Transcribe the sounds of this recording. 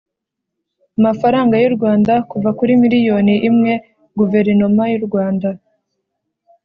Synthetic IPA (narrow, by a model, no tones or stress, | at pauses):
amafaɾaːŋɡajuɾɡwaːndakuvakuɾimiɾijo̞ːniʔimŋe̞ | ɡuve̞ɾinomajuɾɡwaːnda